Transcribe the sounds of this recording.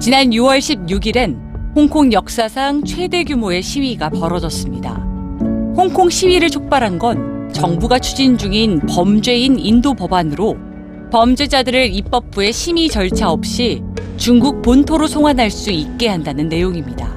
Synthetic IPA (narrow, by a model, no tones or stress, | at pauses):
t͡ɕinanjuwʌɭɕʰib̚ɲuɡiɾe̞n | hoŋkʰoŋjʌk̚s͈asʰaŋt͡ɕʰwe̞de̞ɡjumoe̞ɕʰiɥiɡapʌɾʌd͡ʑʌs͈ɯmɲida̰ | hoŋkʰoŋɕʰiɥiɾɯɭt͡ɕʰok̚p͈aɾɦanɡʌnt͡ɕʌŋbuɡat͡ɕʰud͡ʑind͡ʑuŋinpʌmd͡ʑwe̞inindopʌbanɯɾo | pʌmd͡ʑwe̞d͡ʑadɯɾɯɾip͈ʌp̚p͈ue̞ɕʰimit͡ɕʌɭt͡ɕʰaʌp̚ɕ͈it͡ɕuŋɡuk̚pontʰoɾosʰoŋwanɦaɭs͈uik̚k͈e̞ɦandanɯnːe̞joŋimɲida̰